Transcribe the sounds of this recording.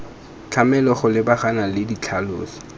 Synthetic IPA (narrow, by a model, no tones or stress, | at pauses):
t͡ɬʰamɛlɔχʊlɪbaχanalɪdit͡ɬʰaloːsi̥